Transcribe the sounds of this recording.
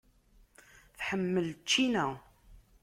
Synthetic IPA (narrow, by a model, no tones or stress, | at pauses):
θħəmːəlt͡ʃːinæ